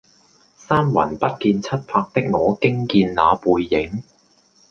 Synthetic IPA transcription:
saː˥mwɐ̰˨˩npɐ˥t̚kiː˧nt͡sʰɐ˥t̚pʰaː˧k̚t̪ɪ˥k̚ŋɔː˨˧kɪ˥ŋkiː˧nlaː˨˧puː˨˧jːɪ˨˥ŋ

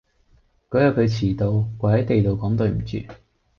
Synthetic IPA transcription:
kɔ˨˥jɐ˨˧kʰɵ˨˧ɥt͡sʰiː˨˩t̪o˧wkʷɔː˨˧hjt̪e˨jt̪o˨wkɔː˨˥ŋt̪ɵ˧ɥm̩˨˩t͡ʃy̰ː˨˧

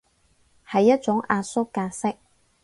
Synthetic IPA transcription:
hɐ˨jːɐ˥t̚t͡ʃʊ˨˥ŋʔaː˧sʊ˥kːaː˧sɪ˥k̚

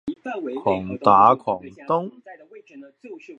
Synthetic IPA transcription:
kʰɔː˨˩ŋt̪aː˨˥kʰɔː˨˩ŋt̪ʊ˥ŋ

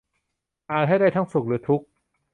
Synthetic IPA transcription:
ʔaː˨˩t̪ɦa˥˩jda˥˩jt̪ʰaː˥˩ŋsu˨˩k̚ɾɯː˩˦t̪ʰu˦˥k̚

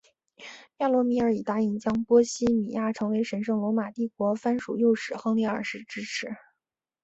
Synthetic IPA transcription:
ja˥˩lwɔ˧˥mi˧˥ə˞˧˥i˨˩t̪a˥i˧˩ŋt͡ɕjɑ˥ŋpwɔ˥ɕi˥mḭ˨˩ja˥˩ʈ͡ʂʰɤ˧˥ŋwe˧˥ɪʂə˧˥nʂɤ˥˩ŋlwɔ˧˥ma˨˩t̪i˥˩kwɔ˧˥fa˥nʂṵ˨˩jo˥˩˧ʊʂɻ̩˨˩xɤ˥ŋli˥˩ə̰˞˨˩ʂɻ̩˥˩ʈ͡ʂɻ̩˥ʈ͡ʂʰɻ̩˧˥

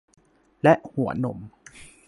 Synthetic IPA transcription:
lɛ˦˥ʔhu˩˦ɐno̰˨˩˦m

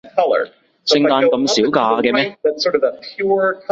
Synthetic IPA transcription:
kʰʌlˠə̰˞ | sɪ˧ŋt̪aː˧nkɐ˧msiː˨˥wkaː˧kɛː˧mɛː˥ðɨtsɔɹɾʌvəpʰjʊɹkʰ

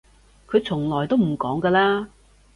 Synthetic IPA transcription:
kʰɵ˨˧ɥt͡sʰʊ˨˩ŋlɔː˨˩jt̪o˥wm̩˨˩kɔː˨˥ŋkəː˧laː˥

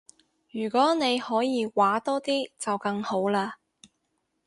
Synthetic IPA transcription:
jyː˨˩kʷɔː˨˥ne˨˧jhɔː˨˥jiː˨˧waː˨˥t̪ɔː˥t̪iː˥t͡sɐ˨wkɐ˧ŋho˨˥wlaː˧

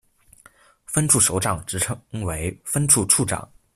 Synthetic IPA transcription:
fə˥nʈ͡ʂʰu˥˩ʂo˧˥ʊʈ͡ʂɑ˨˩ŋʈ͡ʂɻ̩˧˥ʈ͡ʂʰŋwe˧˥ɪfə˥nʈ͡ʂʰu˥˧ʈ͡ʂʰu˥˩ʈ͡ʂɑ̰˨˩˦ŋ

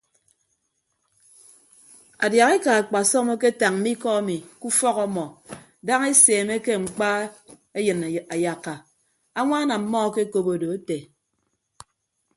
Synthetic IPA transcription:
a˨dja˨ɣe˦ka˨a˨k͡pa˨sɔ˦mo˦ke˦ta˨ŋm̩˨˦mi˦kɔ˦a˦mi˨ku˦fɔ˦kɔ˦mɔ˨ | da˦ŋe˦seː˨me˦ke˦ŋ͡m̩˨k͡pa˦ | e˦jɨ˨na˨ja˨kːa˨ | a˦ŋʷa˦na˨m̩˦mɔ˦ke˦ko˦bo˨do˨e˦te˨

